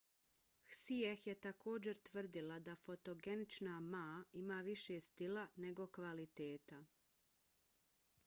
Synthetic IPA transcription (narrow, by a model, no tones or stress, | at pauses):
xsiexjet̪ako̞ːd͡ʑe̞ɾt̪ʋr̩d̪ilad̪afo̞t̪o̞ɡe̞nit͡ʃnamaːimaːʋiʃest̪ilane̞ɡo̞kʋalit̪eːt̪a